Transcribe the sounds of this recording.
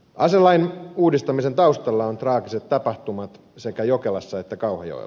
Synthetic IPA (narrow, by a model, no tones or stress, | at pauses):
ɑselːɑinuːdist̪ɑmise̞nt̪ɑust̪ɑlːɑont̪rɑːkiset̪ːɑpɑht̪umɑt̪ | se̞kæjokelɑsːɑet̪ːækɑuhɑ̰o̰ḭ